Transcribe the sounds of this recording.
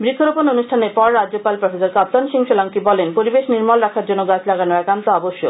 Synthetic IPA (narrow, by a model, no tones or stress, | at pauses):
bɾikʰːoɾopononuʃʈʰaneɾpɔɾːad͡ʑːopalpɾofesoɾkap̚t̪anʃiŋʃolaŋkibɔlenpoɾibeʃniɾmalɾakʰaɾd͡ʑonːoɡat͡ɕʰlaɡanoɛkant̪oɔboʃːo̰